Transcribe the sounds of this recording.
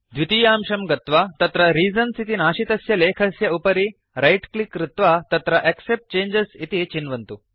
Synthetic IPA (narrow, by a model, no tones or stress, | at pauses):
d̪ʋit̪iːjaːmʃɐmɡɐt̪ʋaːt̪ɐt̪ɾɐɾiːzɐnsit̪inaːʃit̪ɐsjɐleːkʰɐsjɐupɐɾi | ɾɐjʈklikːɾɪt̪ʋat̪ɐt̪ɾɐʔeksep̚ʈ̚t͡ʃeːnd͡ʒɐsit̪it͡ʃinʋɐnt̪u